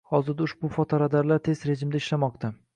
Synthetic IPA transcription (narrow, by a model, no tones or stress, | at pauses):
hɒzɪɾd̪aʊʃbʊfɒt̪ʰɒɾad̪aɾlaɾt̪ʰe̞zɾe̞d͡ʒɪmd̪aɪʃlamɒqt̪ʰa